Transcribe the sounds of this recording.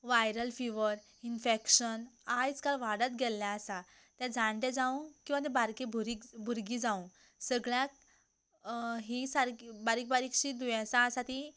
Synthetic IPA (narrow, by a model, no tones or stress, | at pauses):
ʋajɾəlfiʋəɾ | infekɕənajt͡skalʋaɽət̪̚ɡɛlːjaːsa | t̪jãd͡zaɳʈ̪ɛ̃d͡zaũkĩw̃at̪ɛ̃baɾkebʱuɾikbʱuɾɡid͡zaũ | səɡɭjãk̚ | ɦisaɾkbaɾik̚baɾikɕiːd̪ujãsaːsat̪i